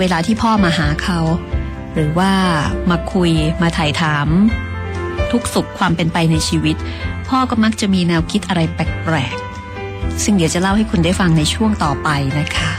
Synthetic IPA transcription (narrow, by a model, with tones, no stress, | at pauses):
weː˧laː˧t̪ʰiː˥˩pʰɔː˥˩maː˧ɦaː˩˦kʰa˦˥w | ɾɯː˩˦waː˥˩maː˧kʰu˧jmaː˧t̪ʰa˨˩jt̪ʰaː˩˦m | t̪ʰu˦˥k̚su˨˩kʰːwaː˧mpe˧npa˧jna˧jt͡ɕʰiː˧wi˦˥t̪̚pʰɔː˥˩kɔː˥˩ma˦˥k̚t͡ɕa˨˩miː˧nɛː˧wkʰi˦˥t̪̚ʔa˧ɾa˧jpɛː˨˩k̚pɾɛ̰ː˨˩k̚ | sɯ˥˩ŋdi˩˦wt͡ɕa˨˩la˥˩wha˥˩jkʰu˧ndaː˥˩jfa˧ŋna˧jt͡ɕʰu˥˩əŋt̪ɔː˨˩pa˧jna˦˥kʰa˦˥